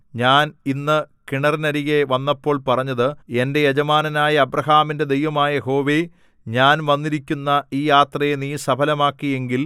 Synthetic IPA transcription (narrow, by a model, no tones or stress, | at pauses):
ɲaːninːɨkiɳɐrinɐɾiɣeʋɐnːɐpːo̞ːɭpɐrɐɲːɐðɨende̞jed͡ʑɐmaːnɐnaːjɐɐbrɐɦaːminde̞d̪ejʋɐmaːjɐho̞ːʋe | ɲaːnʋɐnːiɾikʲːunːɐiːjaːt̪rɐjeniːsɐbʰʱɐlɐmaːkːije̞ŋɡil